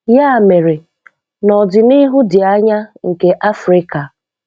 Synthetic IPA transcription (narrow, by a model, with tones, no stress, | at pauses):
ja˦˨me˨ɾe˨ | nɔ˨dɪ˨ni˦ɦʊ˦dɪ˨a˦ɲa˦ŋ̩˨ke˨ʔa˦fɾɪ˦ka˨